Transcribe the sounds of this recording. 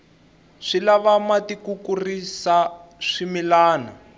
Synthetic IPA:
ʂilaβamatikukurisaʂimilaːna̰

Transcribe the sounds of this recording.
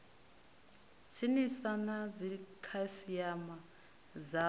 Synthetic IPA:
t͡sʰinisanad͡zikʰasijama | d͡za

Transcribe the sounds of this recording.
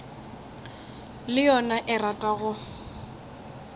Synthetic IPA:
lɪjɔnaʔɪratʼaɣʊ

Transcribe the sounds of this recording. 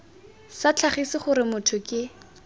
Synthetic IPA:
sat͡ɬʰaχisɪχʊɾɪmʊtʰʊkɪ

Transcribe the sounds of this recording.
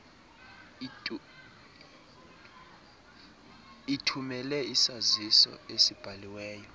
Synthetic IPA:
itʰumɛlɛisazisɔ̰esib̥ʱaliwɛːjɔ

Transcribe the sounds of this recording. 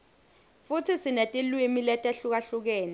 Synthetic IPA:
futʰisinetʼilwimilɛtʼeɬuk̬aɬuk̬ɛːnɛ

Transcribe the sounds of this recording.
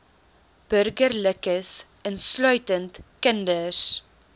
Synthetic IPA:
b̥ɵrɡərləkəs | ənslœɥtəntkəndəs

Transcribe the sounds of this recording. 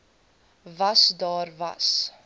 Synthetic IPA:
vɐsdɑːrvɐ̰s

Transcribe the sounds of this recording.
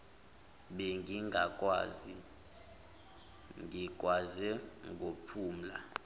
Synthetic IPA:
ɓɛŋɡiŋɡʱakʼwa̰ːzi | ŋɡʱikʼwazɛŋɡʱopʰuːm̩la̰

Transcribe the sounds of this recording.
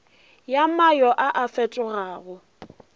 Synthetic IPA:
jamajɔʔaʔafɛtʼʊɣaːɣʊ

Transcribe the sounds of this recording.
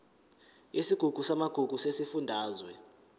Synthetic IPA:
isiɡ̥ʱuɡ̥ʱusamaɡ̥ʱuɡ̥ʱusesifundʱaːzwɛ

